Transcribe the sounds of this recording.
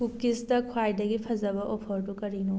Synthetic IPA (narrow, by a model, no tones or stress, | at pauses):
ukistɐkʰwajdɐɡipʰɐzɐbɐʔɔpʰɐɾdukɐɾinu